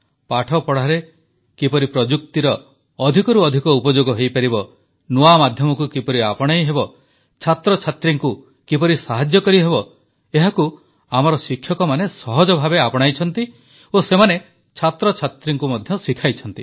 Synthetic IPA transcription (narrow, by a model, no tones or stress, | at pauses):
paʈʰɔpɔɽ̤aɾe | kipɔɾipɾɔd͡ʒuk̚t̪iɾɔː | d̪ʱikɔɾuɔd̪ʱikɔupɔd͡ʒoɡɔɦejpaɾibɔ | nuamad̪ʱjɔmɔkukipɔɾiapɔɽ̃ajɦebɔ | t͡ʃʰat̪ɾɔt͡ʃʰat̪ɾiŋku | kipɔɾisaɦad͡ʒjɔkɔɾiɦeβɔ | eɦaku | amaɾɔsikʰjɔkɔmanesɔɦɔd͡ʒɔbʱabeapɔɽ̃ajt͡ʃʰɔnt̪i | osemane | t͡ʃʰat̪ɾɔt͡ʃʰat̪ɾiŋkumɔd̪ʱjɔsikʰajt͡ʃʰɔnt̪i